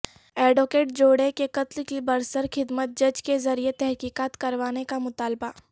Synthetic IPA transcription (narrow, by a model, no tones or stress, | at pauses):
ɛːɖoːkeːʈ̚d͡ʒoːɽekekɐt̪lkibɐɾsəɾxɪd̪mət̪̚d͡ʒɐd͡ʒkezɐɾiet̪ɛɦkiːkaːt̪kɐɾʋaːnekamʊt̪aːlba